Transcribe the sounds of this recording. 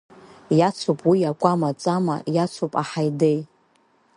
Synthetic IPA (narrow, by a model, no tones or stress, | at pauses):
jat͡sʷʰupʼwijakʷʼamat͡sʼama̰jat͡sʰupʼaħajdej